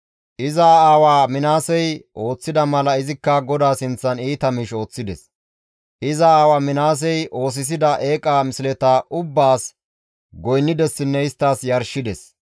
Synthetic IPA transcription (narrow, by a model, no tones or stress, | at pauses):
ʔɪzaːaːwaːmɪnaːsɛjʔo̞ːt͡sːɪd̪ɐmɐlɐɪzɪkːɐɡɔd̪aːsɪnt͡sːɐniːt̪ɐmiːʃo̞ːt͡sːɪd̪ɛ̰s | ʔɪzɐaːwaːmɪnaːs̬ɛjʔo̞ːs̬ɪs̬ɪd̪ɐʔe̞ːkʼaːmɪslɛt̪aʔʊbːaːs | ɡɔjnːɪd̪ɛsːɪnːɛɪst̪ːaːsjɐɾʃɪd̪ɛs